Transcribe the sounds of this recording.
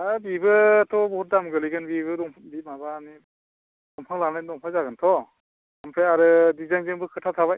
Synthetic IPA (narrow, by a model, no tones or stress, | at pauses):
abibɯtʰɔbɔt̚damɡɯliɡɯnbibɯdɔŋbimabani | dɔŋpʰaŋlanajnɔŋpʰazaɡɯntʰɔ | ampʰɾeaɾɯdizaŋzɯŋbɯkʰɯtʰatʰaβaj